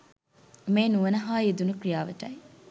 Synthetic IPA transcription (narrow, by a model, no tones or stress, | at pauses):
meːnuʋənɐɦaːed̪unukrijaːʋəʈɐj